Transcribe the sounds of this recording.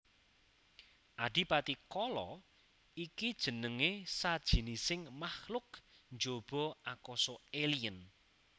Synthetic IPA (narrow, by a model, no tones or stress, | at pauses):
ʔaɖ̥i̤pat̪ikɔlɔ | ikid̥ʒ̥ə̤nəŋesad̥ʒ̥i̤nisɪŋmahlʊk̚nd͡ʒob̥ɔ̤akɔsɔeliən